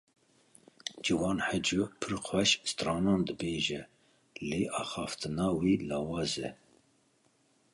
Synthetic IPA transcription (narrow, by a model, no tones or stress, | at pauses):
d͡ʒiwɑːnħəd͡ʒupʰɨɾqʰwɛʃst̪ɾɑːnɑːnd̪ɨbeːʒɛ | leːʔɑːxɑːft̪ɨnɑːwiːlɑːwɑːzɛ